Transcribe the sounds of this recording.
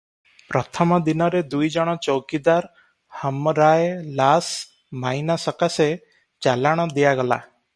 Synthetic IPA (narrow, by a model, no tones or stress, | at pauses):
pɾɔt̪ʰɔmɔd̪inɔɾed̪ujd͡ʒɔɽ̃ɔt͡ʃɔwkid̪aɾ | hɔmɾajlas | majnasɔkase | t͡ʃalaɽ̃ɔd̪ijaɡɔla̰